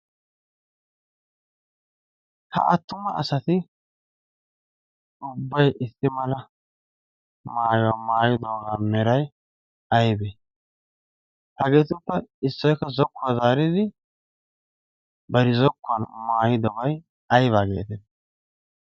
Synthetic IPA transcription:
hɐ̰ʔɐt̪ːʊmɐʔɐsɐt̪ɪ | ʊbːɐjʔɪsːɪmɐlɐ | maːjamaːjɪd̪oːɡaːmɛɾɐj | ɐjbe | hɐɡe̞ːt̪ʊpːɐɪsːɔjkːɐzɔkːʊazaːɾɪd̪ɪ | bɐɾɪzɔkːʊɐnmaːjɪd̪ɔɡɐj | ɐjβaːɡḛːt̪ɪd̪

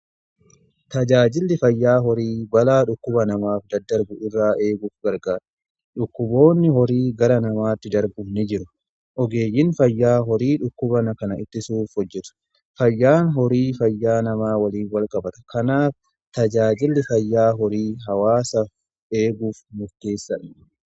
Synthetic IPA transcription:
t̪ɐd͡ʒaːd͡ʒɪlːɪfɐjːaːɦɔɾiːbɐlaːᶑʊkːʊbɐnɐmaːfd̪ɐd̪ːɐɾbʊʔɪrːaːʔe̞ːɡuːfɡɐɾɡaːɾɐ̥ | ᶑʊkːʊbo̞ːnːɪɦɔɾiːɡɐɾɐnɐmaːt̪ːɪd̪ɐɾbʊmnɪd͡ʒɪɾʊ | ʔɔɡe̞ːjːɪnfɐjːaːɦɔɾiːᶑʊkːʊbɐnɐkɐnɐɪt̪ːɪsuːfhɔd͡ʒːɛt̪ʊ̥ | fɐjːaːnɦɔɾiːfɐjːaːnɐmaːwɐliːnwɐlkʼɐbɐt̪ɐ̥kɐnaːf | t̪ɐd͡ʒaːd͡ʒɪlːɪfɐjːaːɦɔɾiːɦɐwaːsɐf | eːɡuːfmʊɾt̪e̞ːsːɐᶑɐ̥

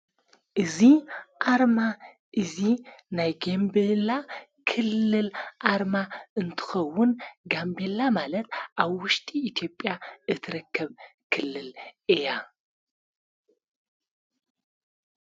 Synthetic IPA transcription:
ʔɨziʔaɾma | ʔɨzinajɡembela | kʰɨlːɨlʔaɾmaɨnt̪ʰɨ̥xɐwːʊnɡambe̞lamalɐt̪̚ʰʔaβwʊʃt̪ʼiːt̪ʰijo̞pʼːjaɨt̪ʰɨɾɐkːɐβkʰɨlːɨlɨja

